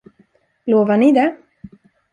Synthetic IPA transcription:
loːvaɳɪd̪ɛ

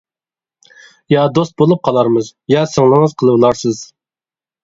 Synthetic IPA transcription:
jɑd̪ost̪̚bolˠup̚qʰɑlˠɑɾmɨzjɑsəŋlˠəməzqʰəlˠəblˠɑɾsɨz̥

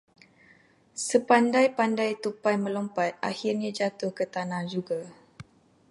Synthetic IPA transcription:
səpandajpandajt̪upajmə̃lɔmpat̪̚ʔa̰hirɲãd͡ʒat̪ʊhkət̪anãhd͡ʒuɡa

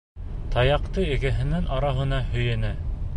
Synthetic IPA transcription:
t̪ʰɑjɑqt̪ɤɘ̆ɡæɦɘ̆nænʔɑɾɑɦɤ̆nɑhɵ̆jænæ

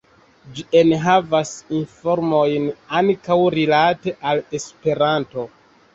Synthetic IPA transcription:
d͡ʒieneɦavasinfo̞ɾmo̞jnaŋkawɾilate̞ʔale̞spe̞ɾanto̞

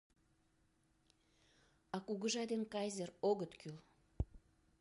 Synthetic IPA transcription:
ɑkuɣəʒɑd̪enkɑjzʲeroɣət̪kyl

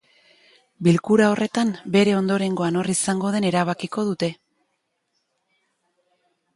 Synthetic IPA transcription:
bilkuɾao̞re̞t̪ambe̞ɾe̞o̞nd̪o̞ɾe̞ŋɡo̞ano̞risaŋɡo̞ð̞e̞ne̞ɾaβ̞akiko̞ð̞ut̪e̞

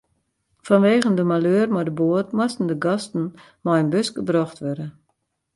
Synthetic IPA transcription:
fɔnʋeːɣəndəmaløərmɔdəboətmɔstn̩dəɡɔstn̩ | mɔjənbøsɡ̥əbrɔxtʋørdə

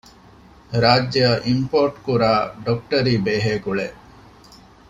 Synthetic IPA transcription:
ɾaːd͡ʒːɐjɐʔimpoːɾʈkuɾaːɖok̚ʈɐɾiːbeːɦeːkuɭe

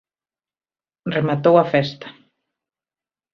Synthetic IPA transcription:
remat̪owafɛst̪ḁ

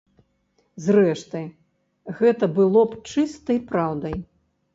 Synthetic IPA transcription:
zrɛʂt̪ɨ | ɣɛt̪ɐbɨlˠɔpt͡ʂɨst̪ɐjpɾawd̪ɐj

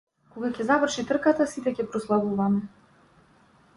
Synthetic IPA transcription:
koɡakʲɛzavər̩ʃit̪r̩kat̪asit̪ɛcʲɛpɾɔslˠavuvamɛ

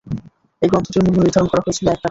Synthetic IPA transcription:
ejɡɔnt̪otinmubuniɾd̪ʱaɾonkɔɾaɦojet͡ɕʰiloɛk̚ʈa

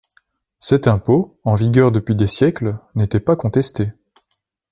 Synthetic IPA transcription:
sɛt̪ɛ̃poɑ̃viɡʲœʁd̪əpɥid̪esjɛklnet̪ɛpakɔ̃t̪ɛst̪e

